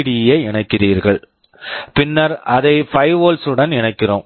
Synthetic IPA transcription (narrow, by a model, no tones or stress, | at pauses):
ɽɪjeːɪɳɐɪkːɪriːɾɣɐɭ | pɪnːɐɾɐðɐɪfɐɪʋoːlsɯɽɐnɪnɐɪkːɪrõːm